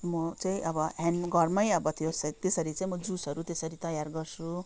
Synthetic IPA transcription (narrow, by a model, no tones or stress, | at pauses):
mʌt͡saĩʔʌbʌɦanɡʌrmʌjʌbʌt̪ʰijosʌt̪esʌɾit͡saĩmʌd͡zusʌɾut̪esʌɾit̪ʌjarɡʌrsu